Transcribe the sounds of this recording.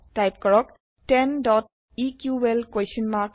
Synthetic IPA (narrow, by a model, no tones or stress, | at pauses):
ʈajp̚kɔɭɔk̚ | ʈenɖɔʈ̚ | ikjuelkweʃənmak